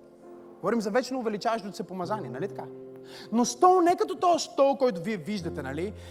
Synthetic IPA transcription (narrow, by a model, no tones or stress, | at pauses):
ɡ̥ovɔɾimzɐvɛt͡ʃɛnɛʊvɛlit͡ʃavɐʃot̪sɛpomɐzaniɛnɐlit̪ɐ̥kanost̪ɔlnɛkɐt̪ɔt̪ɔɛst̪ɔlˠkɔjt̪ʊviɛviʒd̪ɐt̪ɛnɐli